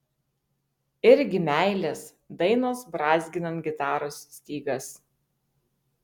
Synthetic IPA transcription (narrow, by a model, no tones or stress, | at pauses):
ɪɾʲɡʲɪmʲæˑɪlʲeːs | d̪ɐɪnoːsbɾɑːzʲɡʲɪnɐnt̪ɡʲɪt̪ɑːɾosːʲt̪ʲiːɡɐs